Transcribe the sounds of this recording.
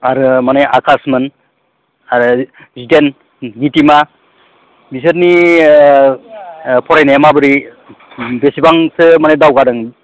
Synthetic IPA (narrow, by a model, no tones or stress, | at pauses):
aɾɯmaneʔakʰasmɯn | aɾɯ | ziten | ɡitima | bisɯɾni | pʰɔɾajnemabɯɾi | besibaŋsɯmanedawɡadɯŋ